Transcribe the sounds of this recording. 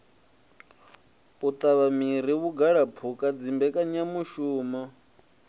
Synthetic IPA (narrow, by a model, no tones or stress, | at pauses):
ut̪ʼaβamiɾiβuɡaɺapʰukʼad͡zimbɛkʼaɲamuʃuːmɔ